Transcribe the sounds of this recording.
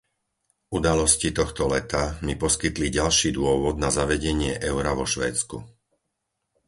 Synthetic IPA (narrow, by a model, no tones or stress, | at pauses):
ud̪alɔscit̪ɔxt̪ɔlɛt̪amipɔskit̪liɟalʃiːd̪ʊɔʋɔd̪nazaʋɛɟɛɲɪɛʔɛʊɾaʋɔʃʋɛ̰ːt͡skṵ